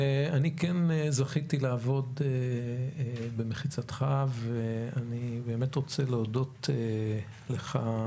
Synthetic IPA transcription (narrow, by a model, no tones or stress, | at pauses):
eanikenezaχit̪ilaːvo̞de | bemeχit͡sat̪χaveanibe̞ːmetʁo̞t͡seleodo̞te | leχa